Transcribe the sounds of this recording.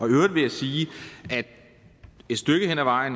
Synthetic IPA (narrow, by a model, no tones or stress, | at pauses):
ɒ̽øʊɐd̥ʋe̝jɑsiːʔæd̥ | e̝d̥sd̥øɡ̥əhenæʋɑ̈ɪ̰n̩